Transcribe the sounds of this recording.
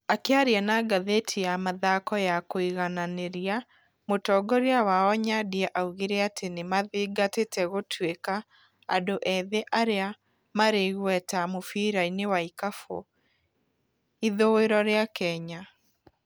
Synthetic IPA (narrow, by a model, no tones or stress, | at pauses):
akeaɾjanaɡaðetʰijamaðakɔjakoiɣananeɾia | motɔɡɔɾiawaɔɲadiɛʔauɣeɾɛatʰenemaðiɡatetɛɣotweka̰ː | doʔɛðeʔaɾea | maɾeɣwɛtamofiɾainewaikafo̰ | iðoweɾɔɾeakɛɲa